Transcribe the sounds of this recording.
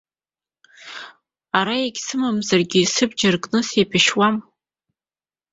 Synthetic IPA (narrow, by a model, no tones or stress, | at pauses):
aɾaeɡʲsɨmamzarɡʲisɨb̚d͡ʒarkʼnɨsejpʰɪʃwam